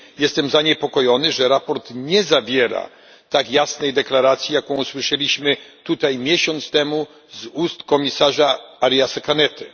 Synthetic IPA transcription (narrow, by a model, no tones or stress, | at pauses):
jɛst̪ɛmzaɲɛpɔkɔjɔnɘʐɛɾapɔɾt̪ɲɛzavʲjɛɾa̰ | t̪akjasnɛjd̪ɛklaɾat̪sʲjijakɔ̃w̃uswɘʂɛlʲiɕmɘt̪ut̪ajmʲjɛɕɔnt̪st̪ɛmu | zust̪kɔmʲisaʐaaɾjasakanɛt̪ɘ